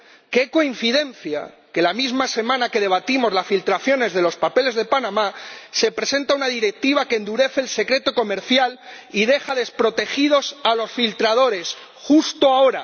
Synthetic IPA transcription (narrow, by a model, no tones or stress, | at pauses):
ke̞ko̞inθiðe̞nθja̰ | ke̞lamizmase̞mãnake̞ð̞e̞β̞at̪imo̞zlasfilt̪ɾaθjo̞ne̞zðe̞lo̞spape̞le̞zðe̞panãmase̞pɾe̞sẽ̞nt̪aunaðiɾe̞k̚t̪iβ̞akend̪uɾe̞θe̞ːlse̞kɾe̞t̪o̞ko̞me̞ɾθjal | iðe̞xaðe̞spɾo̞t̪e̞xiðo̞salo̞sfilt̪ɾað̞o̞ɾe̞s | xust̪oao̞ɾa̰